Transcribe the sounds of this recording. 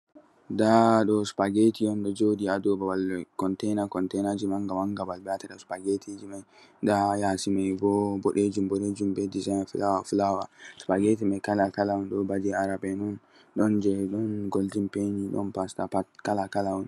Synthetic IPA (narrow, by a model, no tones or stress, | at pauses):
daɗɔspaɡetijɔnɗɔd͡ʒodiadɔbawalkɔntɛjnakɔntɛjnad͡ʒimaŋɡawaŋɡabalbɛataɗɔspaɡetʰid͡ʒimaj | dajasimajbɔbɔɗed͡ʒumbɔɗed͡ʒumbɛdizajnflawafulawaspaɡetimajkalakalaɔnɗɔbadiaɾabɛnɔn | ɗɔnd͡ʒɛɗɔnɡɔldimpeɲiɗɔ̰npastapatkalakalawɔn